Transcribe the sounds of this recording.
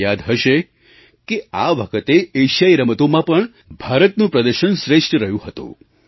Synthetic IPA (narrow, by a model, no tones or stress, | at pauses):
jad̪ɦəʃe | keaʋəkʰət̪eeʃajɾəmət̪omãpəɳ | bʱaɾət̪nũpɾəd̪əɾʃənsɾeʂʈɾəɦjũɦət̪ṵ̃